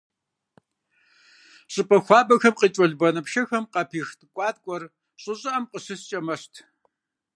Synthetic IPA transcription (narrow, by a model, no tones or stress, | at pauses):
ɕʼɪpʼɐxʷɑːbʼɐxɐmqiːt͡ʃʼɔɮbɐnɨpʃɐxɐmqɐpʰiːxtʼɨkʷʼɑːt̚kʷʼɔr | ɕʼɪɕʼɐʔɐmqʼəɕɨst͡ʃʼɐmɐɕtʰ